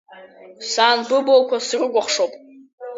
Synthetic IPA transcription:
saːnbɨbokʷʰasɨrɨɡʷaχʂowpʼ

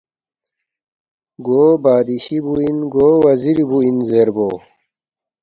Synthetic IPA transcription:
ɡobaːd̪iɕibuinɡoːwɐziɾibuinzeɾbo

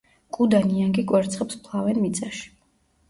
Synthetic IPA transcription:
kʼud̪aniaŋɡikʼwɛɾt̪sʰχɛpspʰlˠavɛnmit̪sʼaʃi̥

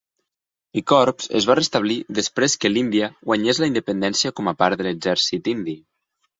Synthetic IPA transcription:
ikɔɾpz̥ə̰zβarəst̪əβ̞liðəspɾeskəlind̪iəɣwaɲezləind̪əpənd̪ɛnsiəkɔməpaɾt̪ðələɡzɛɾsit̪ind̪i

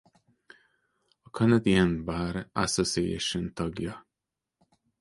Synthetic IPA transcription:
ɔkʰʌnəd̪iə̃nbaɾʔasosiḛʃə̃nt̪ʰɒɡjʌ

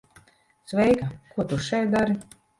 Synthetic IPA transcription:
svɛjkakuɔt̪uʃɛj̪̚d̪aɾi

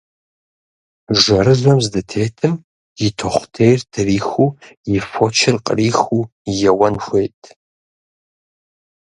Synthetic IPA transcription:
ʒʷɐɾɨzʷɐmzdɐtʰeːtʰɨm | jɪtʰoχʷtʰejrtʰɨriːxuːjɪfot͡ʃʰɪrqʼə̰riːxuː | jɛwɐnxʷeːtʰʼ

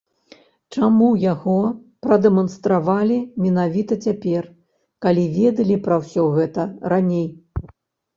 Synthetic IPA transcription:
t͡ʂamujaɣɔ | pɾɐd̪ɛmɐnst̪ɾavalʲimʲɛnavʲit̪ɐt͡sʲapʲɛr | kalʲivʲɛd̪ɐlʲipɾɐwsʲɔɣɛt̪ɐɾanʲej

